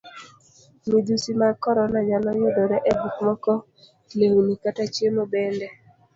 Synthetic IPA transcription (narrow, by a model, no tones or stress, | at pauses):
mid͡ʒusimakɔɾɔnaɲanɔɲodɔɾɛʔɛbukmɔkɔ | leunikatat͡ʃjemobɛndɛ